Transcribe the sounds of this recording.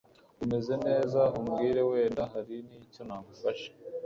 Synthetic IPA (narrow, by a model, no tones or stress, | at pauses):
ume̞ze̞ne̞ːzaumɡiːɾe̞we̞ːndaɦaɾiniːco̞naːmufaʃe̥